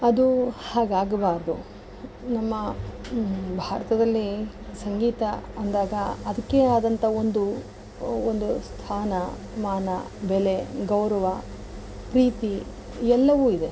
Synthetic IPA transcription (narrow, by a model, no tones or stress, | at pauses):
ɐd̪uhaːɡaːɡɐbaːɾɐd̪u | nɐmːɐ | bʱaːɾɐt̪ɐd̪ɐlːi | sɐŋɡiːt̪ɐɐnd̪aːɡɐɐd̪ɐkːeaːd̪ɐnt̪ʰɐo̞nd̪u | ond̪ust̪ʰaːnɐ | maːnɐ | bɛleɡɐwɾɐʋɐ | pɾiːt̪i | ɛlːɐʋuːid̪e̞